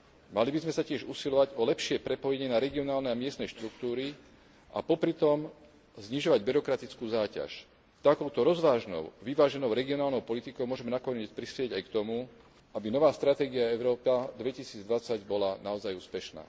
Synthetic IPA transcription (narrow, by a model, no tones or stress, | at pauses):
malibizmɛsacɪɛʒusilɔʋaɟɔlɛpʃɪɛpɾɛpɔjɛɲɪɛnaɾɛɡiɔnaːlnɛamɪɛst̪nɛʃt̪ɾukt̪uːɾi | ʔa̰pɔpɾit̪ɔm | zɲiʒɔʋaɟbiɾɔkɾat̪it͡skuːzaːca̰ʃ | t̪akɔʊt̪ɔɾɔzʋaːʒnɔ̰ʊʋiʋaːʒɛnɔʊɾɛɡiɔnaːlnɔʊpɔlit̪ikɔʊmɔʒɛmɛnakɔɲɛt͡spɾispjɪɛɟajkt̪ɔmu | abinɔʋaːst̪ɾat̪ɛːɡiaɛʊɾɔːpad̪ʋɛcisiːd͡zd̪ʋat͡saɟbɔlanaɔzajuːspɛʃna̰ː